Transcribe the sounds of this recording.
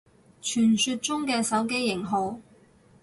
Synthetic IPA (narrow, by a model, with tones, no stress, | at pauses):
t͡ʃʰyː˨˩nsyː˧t̚t͡sʊ˥ŋkɛː˧sɐ˨˥wke˥jːɪ˨˩ŋɦo˨˧˩w